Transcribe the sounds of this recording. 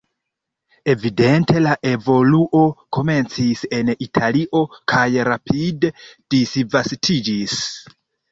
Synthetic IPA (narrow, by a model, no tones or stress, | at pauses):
e̞vide̞nte̞laʔe̞vo̞luʔo̞kʰo̞me̞nt͡sise̞nitʰaliʔo̞kʰajɾapʰide̞d̥isvastʰid͡ʒis